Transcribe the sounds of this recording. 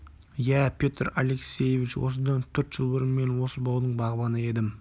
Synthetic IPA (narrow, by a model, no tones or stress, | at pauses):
jæpʲʰet̪rale̞ksʲe̞jevit͡ʃwo̰s̬əd̪ɑnt̪ʰʏɾt̪ʒ̥əlˠbəɾəmme̞nwo̞səbɑwd̪əɴbɑʁbɑnəe̞d̪ɪm